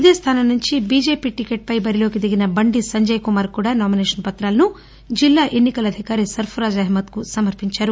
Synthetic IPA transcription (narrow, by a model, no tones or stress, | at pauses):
id̪eːst̪ʰaːnɐnuɲt͡ʃibid͡ʒeːpiʈikeʈ̚pɐjbɐɾiloːɡid̪iɡinɐbɐɳɖisɐɲd͡ʒɐjkumaːɾkuːɽɐnaːmineʃʂɐnpɐt̪ɾaːlnu | d͡ʒilːaːʔenːikɐlɐd̪ʱikaːɾisɐɾpʰɐɾaːd͡ʒɐɦmɐt̪kusɐmɐɾpiɲt͡ʃɐɾu